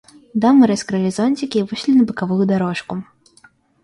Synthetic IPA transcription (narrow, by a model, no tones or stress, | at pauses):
d̪amɨɾɐskɾɨalʲizɔnʲt͡sʲikʲivɨʂlʲinɐbɨkavujud̪aɾɔʂku